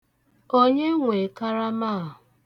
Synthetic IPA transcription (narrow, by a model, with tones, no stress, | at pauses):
o˦ɲe˦ŋʷe˨ka˦ɾa˦ma˦˨ɦʊ˨